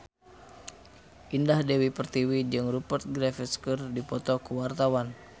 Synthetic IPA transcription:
ʔindahdewipərt̪iwid͡ʒɨŋrupərt̪̚ɡɾɛfɛskərdipɔt̪ɔkuwart̪awan

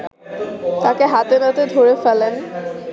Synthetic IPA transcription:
t̪akeɦat̪enat̪ed̪ʱoɾefɛlen

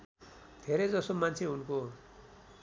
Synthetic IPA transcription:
d̪ʱeɾʌjd͡zʌsomant͡sʰeunko

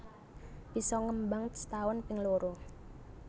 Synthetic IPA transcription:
b̥i̤sɔŋəmbaŋt̪st̪aʊnpɪŋloɾo

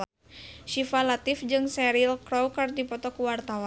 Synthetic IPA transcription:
ʃifalat̪ifd͡ʒɨŋsɛɾilkɾɔwkardipɔt̪ɔkuwart̪awa

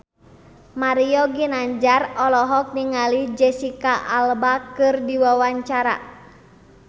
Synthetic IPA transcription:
maɾiɔɡinaɲd͡ʒarɔlɔɦɔk̚niŋalid͡ʒɛsikaʔalbakɨrdiwawaɲt͡ʃaɾa̰

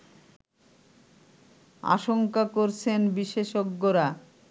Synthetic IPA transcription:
a̰ʃoŋkakoɾt͡ɕʰenbiʃeʃoɡːoɾa

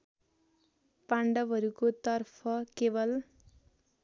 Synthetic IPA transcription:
paɳɖʌbɦʌɾukot̪ʌrpʰʌkebʌl

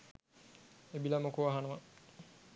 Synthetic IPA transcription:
ebilamokoʋaɦanəʋa

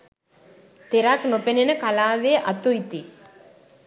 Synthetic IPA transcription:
t̪eɾaknopenenəkalaːʋeʔat̪uit̪i

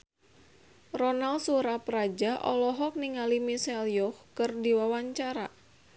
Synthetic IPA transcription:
rɔnalsuɾapɾad͡ʒaʔɔ̰lɔɦɔk̚niŋalimisɛljɔhkɨrdiwawaɲt͡ʃaɾa̰

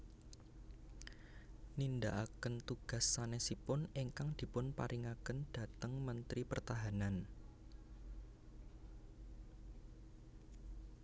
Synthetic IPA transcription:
nindaʔakənt̪uɡ̥ä̤sːanesipʊniŋkaŋd̪̥i̤pʊnpa̰ɾʔiŋakənd̥ä̤t̪əŋmənt̪ɾipərt̪aɦanan

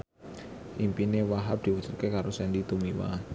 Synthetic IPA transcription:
ʔimpinewaɦap̚d̪̥i̤wud̥ʒ̥u̥t̪̚kekaɾosɛndit̪umiwa̰

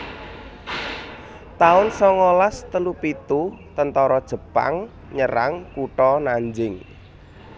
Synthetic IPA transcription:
t̪aʊnsɔŋɔlast̪əlupit̪ut̪ənt̪ɔɾɔd̥ʒ̥ə̤pa̰ŋ | ɲəɾa̰ŋkuʈɔnaɲd͡ʒɪŋ

